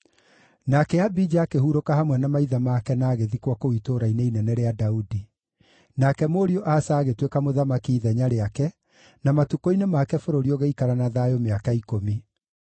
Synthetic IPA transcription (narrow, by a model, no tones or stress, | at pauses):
nakɛabid͡ʒaakehuɾokahamwɛnamaiðamakɛnaːɣeðikwakoitoːɾaineinɛnɛɾeadaudi | nakɛmoɾioʔaːsaːɣetwekamoðamakiːðɛɲaɾeakɛ | namatukoinemakɛfoɾoɾioɣeikaɾanaðajomeakaikomi